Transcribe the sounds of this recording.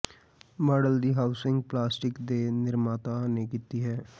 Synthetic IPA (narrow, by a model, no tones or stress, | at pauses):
məɖəld̪iːɦaːʊsɪ̃ŋɡplaːsʈɪkd̪eːnɪɾmaːt̪aneːkit̪iɦɛː